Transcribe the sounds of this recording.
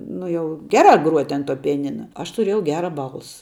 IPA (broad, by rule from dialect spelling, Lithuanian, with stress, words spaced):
ˈnʊ jɛʊ ˈɡʲæːrɑː ɡruɔtʲ ɐn tuɔ pʲɪjɛˈnʲɪnɐ ɐʃ tʊˈrʲeːjɛʊ ˈɡʲæːrɐ ˈbɐlˠsɐ